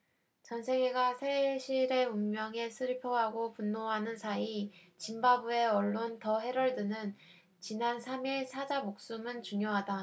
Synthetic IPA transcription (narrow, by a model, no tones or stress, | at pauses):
t͡ɕʌnsʰe̞ɡe̞ɡasʰeɕʰiɾe̞uŋmjʌŋe̞sʰɯɾipʰʌɦaɡopunːoɦanɯnsʰai | t͡ɕimbabue̞ʌɭːontʌɦe̞ɾʌɭdɯnɯn | t͡ɕinansʰamiɭsʰad͡ʑamok̚s͈umɯnt͡ɕuŋjoɦada